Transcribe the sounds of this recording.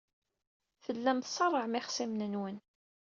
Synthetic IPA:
θəlːæmθsˤɑrˤːəʕmɪχsimnənwən

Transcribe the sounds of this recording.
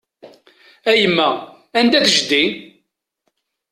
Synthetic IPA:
æjəmːæ | ænd̪æðʒd̪i

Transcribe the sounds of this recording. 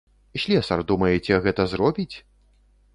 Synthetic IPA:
iɕʲlʲɛsɐrd̪umɐjɛt͡sʲɛɣɛt̪ɐzrɔbʲit͡sʲ

